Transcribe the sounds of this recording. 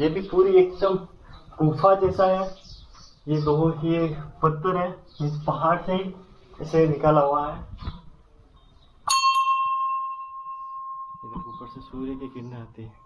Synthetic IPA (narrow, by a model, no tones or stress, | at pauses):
jebʱipuːɾieːkɪsəmkuːfʰad͡ʒɛːsaɦɛ | jed̪oːɦõkiepɐt̪ːəɾɦɛ̃ːespɐɦaːɾseɦiɪsenɪkaːlaɦuaɦɛː | obikuːpəɾsesuːɾekekɪɾneaːt̪eɦɛ̃ː